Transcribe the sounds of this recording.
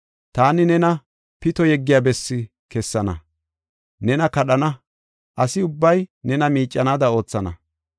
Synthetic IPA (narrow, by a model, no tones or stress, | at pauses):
t̪aːnɪnɛnɐ | pɪt̪ɔjɛɡːɪjaːbɛsːɪ | kɛsːɐnɐ̰ | nɛnɐkɐɗɐnɐ | ʔɐsɪʊbːɐjnɛnɐmiːt͡ʃʼːɐnaːd̪ɐo̞ːt͡sːɐnɐ̰